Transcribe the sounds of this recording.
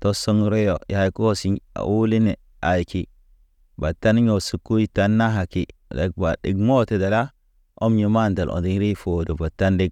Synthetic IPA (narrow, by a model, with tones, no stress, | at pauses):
to˦so˦ŋ˦ɾe˦jo˨ja˨i˦ku˦o˦si˨a̰˨ʔu˦li˦ne˨ | a˨jki˨ | ba˨tːa˦n˦ɲo˨su˨kːu˦ji˦ta˦nːa˦ɦa˨ki˨da̰˨k̚ba˨ɗḭ˨ɡmo˦te˨da˨la˦ | o˦mɲi˨ma˦˨nda˨lʔo̰˨ndi˦ŋ˦ɾi˦fo˨do˨ba˨tːa˦ndi˦ɡ̚